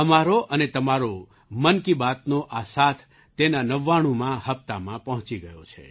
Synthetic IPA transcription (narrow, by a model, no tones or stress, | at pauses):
əmaɾoʔənet̪əmaɾo | mənkibat̪noʔasat̪ʰː | enanəʋːaɽ̃ũmãɦəpt̪amãpəɦʊ̃t͡ʃiɡəjo̰t͡ʃʰḛ